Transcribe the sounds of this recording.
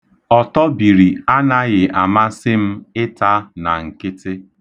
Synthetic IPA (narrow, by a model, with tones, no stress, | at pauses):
ɔ˨tɔ˦bi˨ɾi˨a˦na˦ɣɪ˨ʔa˨ma˦sɪ˦m̩˦ɪ˦ta˦na˨ŋ̩˨kɪ˦tɪ˦